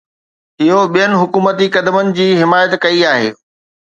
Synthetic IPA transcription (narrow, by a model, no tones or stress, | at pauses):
ɪɦoɓijənɪ̆ɦʊkuːmət̪ikɐd̪əmənɪ̆d͡ʑiːɦɪmaːjət̪kɐiaːɦḛː